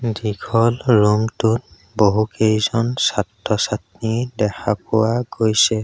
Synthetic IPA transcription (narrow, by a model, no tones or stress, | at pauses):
dikʰɔlɹumtut | boɦukejzɔnsatːɔsatnidɛkʰapʊwaɡojsɛ